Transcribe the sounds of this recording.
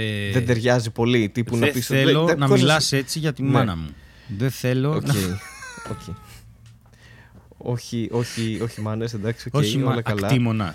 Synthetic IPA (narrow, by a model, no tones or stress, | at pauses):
eðend̪eɾʝɐzipo̞lit̪ipunɐpiselonɐmoilɐse̞t͡siʝɐt̪imɐnɐ̰mu | ðeθe̞lo̞onceioce | o̞çiʔo̞çio̞çimɐnesend̪ɐksiooeineolɐkɐlɐimonɐ